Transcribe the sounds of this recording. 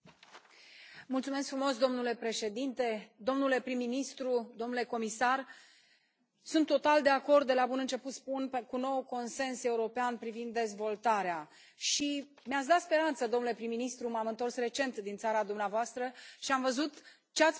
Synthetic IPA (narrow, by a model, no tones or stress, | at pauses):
mult̪sumeskfɾumo̞sd̪o̞mnule̞pɾe̞ʃe̞d̪int̪e̞d̪o̞mnule̞pɾimːinist̪ɾud̪o̞mnule̞ko̞misar | sunt̪ːo̞t̪ald̪e̞ako̞rd̪̚d̪e̞labunɨnt͡ʃe̞put̪spunkuno̞wko̞nse̞nse̞uɾo̞peanpɾivind̪ːe̞zvo̞lt̪aɾea | ʃi | meat̪sd̪at̪spe̞ɾant̪səd̪omnule̞pɾimːinist̪ɾumamɨnt̪o̞rsre̞t͡ʃe̞nt̪d̪int̪saɾad̪umneavoast̪ɾəʃiamvəzut̪ | t͡ʃeat̪sʲ